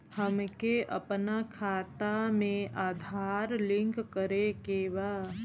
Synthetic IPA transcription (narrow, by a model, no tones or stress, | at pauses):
həmkeʔə̰pnakʰaːt̪amẽʔaːd̪ʱaːɾlɪ̃ŋkːəɾekeʋa